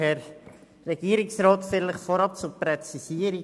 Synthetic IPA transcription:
ɛɾː | ɛɡ̥iːəɾiksɾɔːt̪fɪləχfɔɾɑp̚t͡supɾɛt͡sisiəɾi

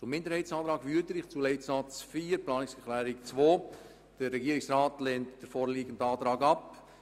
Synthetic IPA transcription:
t͡sʊmɪndəɾhɛɪtsɑːtɾɑːɡʋyədəɾɪχt͡suːlɛɪtsɑt͡sfiːɾplɑːnɪksəklæːɾɪkt͡sʋoː | d̥əɾːɛɡiəɾɪksɾɑːtlɛntd̥əɾfoːɾliːɡəndɑːtɾɑːɡɑp

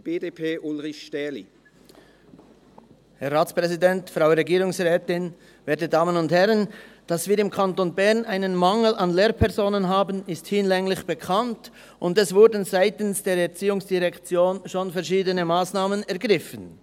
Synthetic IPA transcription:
b̥eːdepʰeːʔʊlʁɪçʃtɛlḭ | hɛʁaːt͡spʁɛzidɛntfʁaʊɾɛɡiːɾʊŋsʁɛːtɪn | veːɐtədaːmənʊnthɛɾənd̥asv̥iːɾɪmkʰantonbɛʁnʔaɪnənmaŋl̩anleːɾpʰɛʁzoːnənɦaːbənɪsthɪnlɛŋlɪçb̥əkʰant | ʔʊndɛsv̥ʊɾdən̩zaɪtənsd̥eːɾɛɾt͡siːʊŋsd̥iʁɛkt͡sjoːnʃoːnfɛɐʁʃiːdənəmaːsnaːmənɛɐʁɡʁɪfən

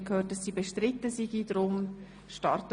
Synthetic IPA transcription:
kʰhøːt̚d̥ɑsːiːbeʃtɾɪtːəsiɡidɾʊm | ʃtɑɾt

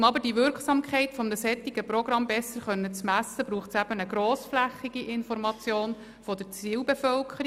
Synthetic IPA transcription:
mɑbəɾd̥iʋʏɾkχsɑːmkʰχɛɪtfɔmnəsɛt̪ːiɡ̥əprɔɡɾɑmbɛsːəɾχœnːət͡smæsːəbɾuːχtsæb̥ənəɡɾoːsflæχːiɡ̥iʔɪnfɔɾmɑt͡sjoːn | fɔd̥̪əɾt͡siːwbefœlkʰəɾi

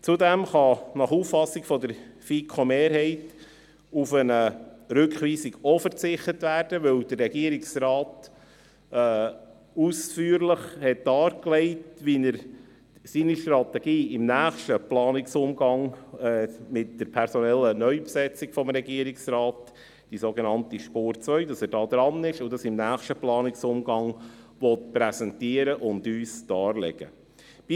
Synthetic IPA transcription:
t͡sudɛmχɑnɑχuːffɑsiɡfɔd̪əɾfikʰχomeːɾɦɛɪt | ufənəɾʏkχʋiːsiɡofəɾt͡sɪχtətvæːɾd̥əʋɵwd̥ərːɛɡiəɾɪksrɑːt | ɛː | usfyːɾləχhɛt̚d̥ɑːɾklɛɪtʋinəɾ | siːniʃtɾɑtɛɡ̥iːɪmnæːχʃtəplɑːnɪksʊmɡɑŋɛmɪt̚d̥əɾpʰɛɾsɔnɛlːənœʏpsɛt͡sɪɡ̥fɔmɾɛɡiəɾɪksrɑːt | d̥isoɡɛnɑntiʃpoːɾt͡sʋœʏdɑsæːɾdɑːd̪ɾɑnɪʃʊdɑsɪmnæːχʃtəplɑːnɪksʊmɡɑŋ | ʋɔtpɾɛsɛntiəɾəʔʊndyːsd̥ɑːɾlɛ̰ɡ̥ə̰ | b̥i

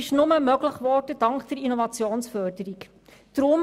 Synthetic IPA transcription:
ɪʃnʊməmœɡləχvɔɾd̥əd̥ɑŋkd̥əɾinɔvɑt͡sjoːnsfœːrd̥əɾik | d̥ɾʊm

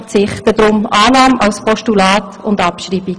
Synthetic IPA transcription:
t͡sɪχtəd̥ɾʊmʔɑːnɑːmɑwspʰɔʃtulɑːtʊndɑpʃriːbi

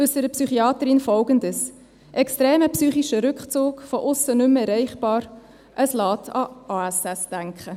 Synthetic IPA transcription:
ʉsəɾəpsyχiɑːt̪əɾɪnfɔlɡəndəs | ʔɛkstɾeːməpsyːχiʃəɾʏkχt͡soːkfɔʔʊsːənʏmɛɾɛɪχb̥ɑːɾ | ʔəslɑːtʰɑʔɑːæsɛsd̥æŋkχə

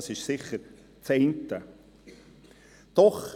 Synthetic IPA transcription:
sɪʃsɪχəɾ | t͡seɪntə | d̥̪ɔχ

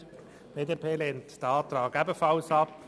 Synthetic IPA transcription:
b̥eːdepʰeːleːntd̥əɑːt̪ɾɑːɡɛbəfɑlsɑp

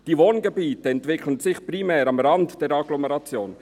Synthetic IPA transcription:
d̥iːvoːnɡebiːtəɛntv̥ɪkʰlənzɪçpɾimɛːɾɑmɾɑntd̥ɛɾɑɡlɔmɛɾɑt͡sjoːn

